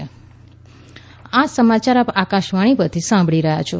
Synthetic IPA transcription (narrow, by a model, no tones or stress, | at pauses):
asəmat͡ʃaɾapakaʃʋaɽ̃ipət̪ʰisãmbʱɭiɾəɦja̰t͡ʃʰo